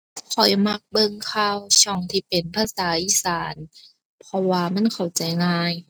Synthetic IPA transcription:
kʰɔ˨˩jma˧k̚bɤ˧˨ŋkʰa˧˨wt͡ɕʰɔ˧˩˨ŋt̪ʰiː˧˩pe˨˩npʰaː˧˨saː˨˦ʔiː˧˥˨saː˨˦n | pʰɔ˧waː˧ma˧˥˨nkʰa˨˩wt͡ɕa˨˩jŋaː˧j

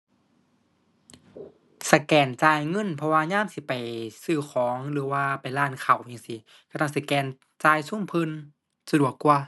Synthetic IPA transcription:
sa˧˩kɛː˨˩nt͡ɕaː˧˨jŋɤ˧˥˨npʰɔ˧waː˧ɲaː˧˥˨msi˧˦pa˨˩jsɯː˧˩xʰɔː˨˦ŋlɯː˨˦waː˧pa˨˩jlaː˧˩˨nkʰa˨˩wjaː˧˨ŋsi˧˦ | ka˧t̪ʰa˧˥˩ŋsa˧˩kɛː˨˩n | t͡ɕaː˧jsu˧˥˨mpʰɯ˧˨n | sa˧du˨˩əkːu˧ɐ

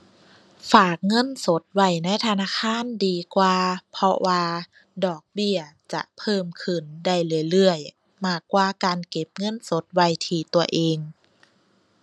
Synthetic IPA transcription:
faː˨˩k̚ŋɤ˧˥˨nso˨˦t̪̚wa˧˩jna˧˥˨jt̪ʰa˧naː˧˥˨kʰaː˧˥˨ndiː˨˧kwaː˧pʰɔ˧waː˧ | dɔː˨˩k̚bi˧˩ɐt͡ɕa̰˧˩ʔpʰɤː˧˩mkʰɯ˧˩nda˧˩jlɯ˧˩˨jlɯ˧˩əj | maː˧˩kːwaː˧kaː˨nke˧˦p̚ŋɤ˧˥˨nso˨˦t̪̚wa˧˩jt̪ʰiː˧˩t̪u˧ɐʔeː˧ŋ

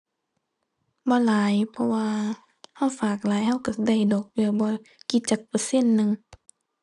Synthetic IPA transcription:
bɔː˧˦laː˨˦jpʰɔ˧waː˧ | ha˧˩˨wfaː˨˩k̚laː˨˦jha˧˥˩wka˧˩da˧˩˨jdoː˨˩k̚pɯ˧bɔː˧˦ki˧˦t̪̚t͡ɕaː˨˩k̚pɤ˧se˧˥˨nːɯ˧ŋ

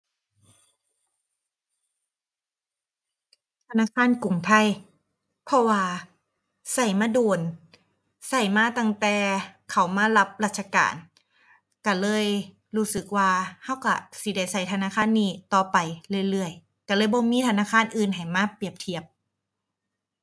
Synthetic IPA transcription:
t̪ʰa˧naː˧˥˨kʰaː˧˥˨nku˨˩ŋt̪ʰa˧˥˩j | pʰɔ˧waː˧ | sa˧˩jmaː˧˨duː˧˨˩n | sa˧˩jmaː˧˩˨t̪a˧˩ŋt̪ɛː˨˧kʰa˨˩wmaː˧˥˨la˧˥p̚laː˧˩t̪̚t͡ɕʰa˧ka̰ː˨n | ka˧˩lɤː˧˥˨j | ɾuː˦˧˥sɯ˨˩k̚waː˧ha˧˥˩wka̰˧˩si˧˦da˧˩jsa˧˩jt̪ʰa˧naː˧˥˨kʰaː˧˥˨nːiː˧˩t̪ɔː˧˩pa˨jlɯ˧˩ə˨jlɯ˧˩əj | ka˧˩lɤː˧˥˨jbɔː˧˦miː˧˥˨t̪ʰa˧naː˧˥˨kʰaː˧˥˨nʔɯː˨˧nɦa˨˩jmaː˧˥˨pi˨˩əp̚t̪ʰi˧˩əp̚

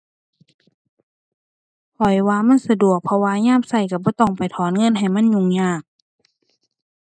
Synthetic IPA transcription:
pʰɔ˨˩jwaː˧ma˧˥˨nsa˧du˨˩ək̚pʰɔ˧waː˧ɲaː˧˥˨msa˧˩jka˧˩bɔː˧˦t̪ɔ˧˩ŋpa˨jt̪ʰɔː˨˦nŋɤ˧˥˨nɦa˨˩jma˧˥˨nɲu˧˨ŋɲaː˧˩k̚

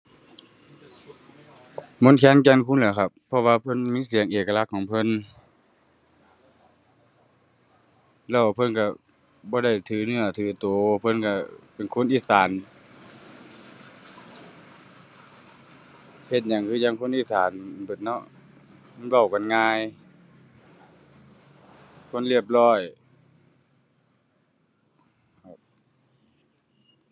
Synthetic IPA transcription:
mo˧˥nkʰɛː˧˥˨nkɛː˧˥˨nkʰu˧˥˨nlɯː˨˦kʰa˧p̚ʰːɔ˧˨waː˧pʰɤ˧˥˨nmiː˧˥˨si˨˦əŋʔeː˨˩ka˧la˧˨kʰːɔː˨˦ŋpʰɤ˧˥˨n | lɛː˧˩wa˧pʰɤ˧˥˨nka˧˩ | bɔː˧˦ɾa˧˩jt̪ʰɯː˨˦nɯ˧˩ɐt̪ʰɯː˨˩˦t̪oː˨˦pʰɤ˧˥˨nka˧˩pe˨nkʰo˧˥˨nʔiː˧˥˨saː˨˦n | he˧˩t̪̚ɲa˨˦ŋkʰɯː˧ɲa˧˥˨ŋkʰo˧˥˨nʔiː˧˥˨saː˨˦n˧˨bɯ˨˩t̪̚nɔ˧˥ʔ | ma˧˥˨nɡa˧˩wka˨nŋaː˧˥˩j | kʰo˧˥˨nli˧˩əp̚lɔː˧˥˩j | kʰa˧˩p̚

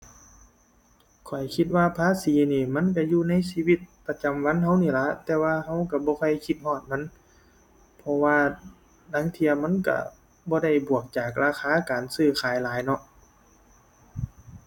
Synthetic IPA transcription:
kʰɔ˨˩jkʰi˧˦t̪̚waː˧pʰaː˧˥˨siː˨˦niː˧˩ma˧˥˨nk̬a˧˩juː˧˨na˧˥˨jsiː˧wi˧˩t̪̚pa˧t͡ɕa˨mwa˧˥˨nha˧˥wniː˧˩˨la˧˦ʔt̪ɛː˧waː˧ɦa˧˥˩wka˧˩bɔː˧˦kʰɔ˧˩jkʰi˧t̪̚hɔː˧˩t̪̚ma˧˥˨n | pʰɔ˧waː˧ | da˧˥˨ŋt̪ʰi˧əma˧˥˨nka̰˧˩ | bɔː˧˦da˧˥˩jbu˨˩ək̚t͡ɕaː˨˩k̚laː˧xʰaː˧˥kaː˨nsɯː˧˩kʰaː˨˦jlaː˨˦jnɔ˧ʔ

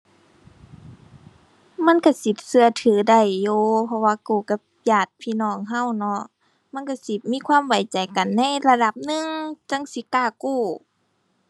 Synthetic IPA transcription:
ma˧˥˨nka˧˩si˧˦t̪̚sɯ˧ɐt̪ʰɯː˨˦da˧˩jːoː˧˦pʰɔ˧waː˧kuː˧˩ka˧˩ | pjaː˧˩t̪̚pʰiː˧˨nɔː˧˩˨ŋɦa˧˥˨wnɔ˧ʔ | ma˧˥˨nka˧˩si˧˦miː˧˥˨kʰwaː˧˥˨mwa˨˦jt͡ɕa˨jka˨nːa˧˥˨jla˧da˧˦p̚nɯ˧˨ŋt͡ɕa˧˥˨ŋsi˧˦kaː˧˩kuː˧˩

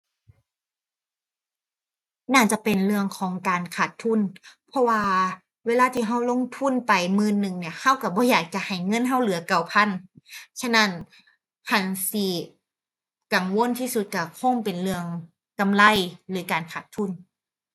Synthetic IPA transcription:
naː˧˩t͡ɕa˧˦pe˨nlɯ˧əŋkʰɔː˨˦ŋkaː˨nkʰaː˨˩t̪ʰːu˧˥˨npʰɔ˧˥waː˧ | weː˧laː˧˥˨t̪ʰiː˧˩ɦa˧˥˩wlo˧˥˨ŋt̪ʰu˧˥˨npa˨˩jmɯː˧˨nːɯ˨˩ŋni˧˩ɐha˧˥˨wka˧˩bɔː˧˦jaː˨˩k̚t͡ɕa˧˨ha˨˩jŋɤ˧˥˨nɦa˧˥˩wlɯ˨˦ɐka˨˩wpʰa˧˥˨nt͡ɕʰa˧˥na˧˥˨n | hʰa˧˩nsi˧˩ | ka˨˩ŋwo˧˥˨nt̪ʰiː˧˩˨su˧˦t̪̚ka˧˩kʰo˧˥˨ŋpe˨nlɯ˧əŋ | ka˨mla˧˥˨jlɯː˨˩˦kaː˨nkʰaː˨˩t̪ʰːu˧˥˨n

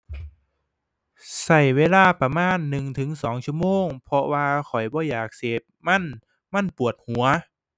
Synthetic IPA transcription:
sa˧˩jweː˧˥˨laː˧˩pa˧maː˧˥˨nːɯ˨˩ŋt̪ʰɯ˨˦ŋsɔː˩˦ŋt͡ɕʰu˧ə˨moː˧˨ŋpʰɔ˧waː˧xʰɔ˨˩jbɔː˧jaː˨˩k̚seː˨˩p̚ma˧˥˨n | ma˧˥˨npu˨˩ət̪̚hu˩˦ɐ

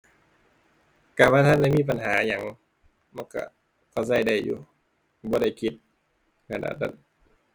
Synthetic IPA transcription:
kaː˨˩waː˧˥˩t̪ʰa˧˥˨nda˧˨miː˧˥˨p̬a˨nɦaː˨˩˦ɲa˨˦ŋ | ma˧˥˨nka̰˧˩ | kʰa˧˩s̬a˧˩jda˧˩jjṵː˨˦ | bɔː˧˦da˧˩jkʰi˧˩t̪̚ | kʰa˧˨da̰ː˧˩t̪ːa̰˧˩˨n

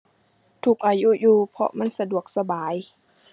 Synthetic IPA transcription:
t̪ʰuː˨˩k̚ʔaː˨˩ju˦˧˥juː˧˩pʰɔ̰˧ma˧˥˨nsa˧du˨˩ək̚sa˧baː˨˦j

